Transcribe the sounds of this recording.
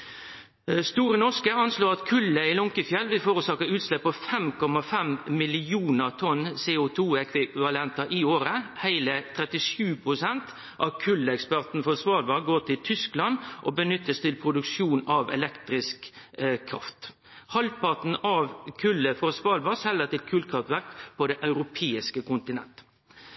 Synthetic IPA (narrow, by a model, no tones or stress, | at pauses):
st̪uːɾənɔʁskəɑnsloːʁɑt̪kʰʉlːəɪlɔŋkəfjɛlːʋɪlfoːɾʉsɑːkəʁʉːt̪slɛpːɔfɛmkʰɔmɑfɛmmɪlɪuːnəʁt̪ʰɔnseːʊt̪ʰuːɛkʰʋɪʋɑlɛnt̪ɑʔɪoːɾəhæɪlət̪ʰɾɛt̪ɪʂʉːpʰɾʊsɛnt̪ | ʔɑʋkʰʉlːəɛkspæʁt̪n̩fɔsʋɑːlʋɑɡoːʈʰɪlt̪ʰʏsklɑnʔɔbənʏt̪ːəst̪ʰɪlpʰɾʊd̪ʉkʂuːnɑʋɛ̰lɛkt̪ɾɪskkʰːɾɑ̰ft̪ | hɑlpʰɑt̪n̩ɑʋkʰʉlːəfɔsʋɑːlʋɑsɛlːət̪ɪlkʰʉːlkʰɾɑft̪ʋæɾkpʰɔd̪ɛʔɑʉɾʊpʰeːɪskəkʊnt̪ɪnɛ̰nt̪ə̥